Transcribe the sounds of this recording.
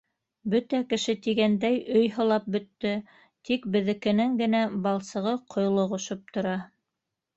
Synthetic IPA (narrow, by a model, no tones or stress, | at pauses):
bɵt̪ækɘ̆ʃɘt̪iɡænd̪æjɵjɦɤ̆lˠɑp̚bɵ̆t̪ːɵ | t̪ikbɘ̆ðɘ̆kɘ̆nɘŋɡɘ̆næbɑlˠsɤ̆ʁɤqʰŏj̆lˠŏʁŏʃop̚t̪ŏɾɑ